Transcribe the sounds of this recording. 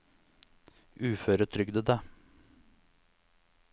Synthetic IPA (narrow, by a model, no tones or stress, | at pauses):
ʉːføːɾət̪ʰɾʏɡd̪əd̪æː